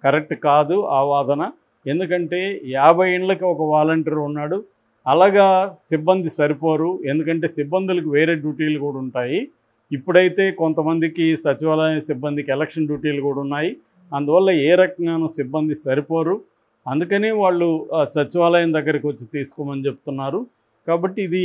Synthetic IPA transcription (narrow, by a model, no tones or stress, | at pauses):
kɐɾek̚ʈkaːd̪uaːʋaːd̪ʱɐnɐ | e̞nd̪ukɐɳʈe̞ːjaːbʱɐjeɳlɐkiɔkɐʋaːlɐɳʈɐɾunːaːɽu | ɐlaːɡaːsibːɐnd̪ʱisɐɾipoːɾue̞nd̪ukɐɳʈe̞ːsibːɐnd̪ulɐkiʋeːɾe̞ːɖjuːʈeːlukuːɽɐuɳʈaːjiː | pːuɽɐjit̪e̞ːkont̪ɐmɐnd̪ikisɐt͡ʃiʋaːlɐjɐnsibːɐnd̪ikiɛlɐkʂɐnɖjuːʈeːlukuːɽɐunːaːji | ɐnd̪uʋɐlːɐɛːɾɐkɐŋɡaːnusibːɐnd̪isɐɾipoːɾu | ɐnd̪ukɐneːʋaːɭːusɐt͡ʃiʋaːlɐjɐmd̪ɐɡːɐɾɐkiʋot͡ʃːit̪iːsu̥kɔːmɐnit͡ʃe̞but̪unːaːɾu | kaːbɐʈːiːd̪i